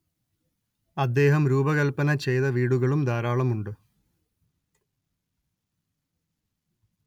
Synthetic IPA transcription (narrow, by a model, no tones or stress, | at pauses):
ɐd̪ːe̞ːɦɐmɾuːbɐɣɐlpɐnɐt͡ɕe̞jðɐʋiːɽuɣɐɭumd̪aːɾaːɭɐmuɳɖɨ